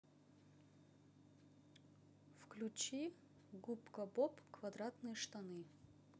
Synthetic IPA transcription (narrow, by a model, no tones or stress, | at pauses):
fklʲut͡ɕi | ɡupkɐbopkvɐd̪ɾat̪nɨjəʂt̪ɐnɨ